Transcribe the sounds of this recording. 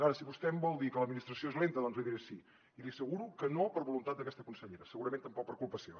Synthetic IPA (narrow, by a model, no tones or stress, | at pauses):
aɾəsiβust̪ɛmbɔlˠd̪ikələd̪minist̪ɾəsioezlent̪əðɔnzliðiɾesi | iliəsəɣuɾukənopəɾβulunt̪at̪̚əkɛst̪əkunsəʎeɾəsəɣuɾəment̪əmpɔk̚pəɾkulˠpəsio